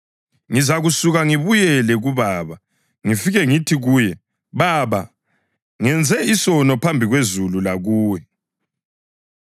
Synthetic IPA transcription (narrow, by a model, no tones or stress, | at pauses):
ŋizaɣusuɣaŋiβujɛlɛɣuβaːβa | ŋifiɣɛŋitʰiɣuːjɛ | βaβa | ŋɛnd͡zʱɛisɔnɔpʰambʱiɣwezululaɣuːwɛ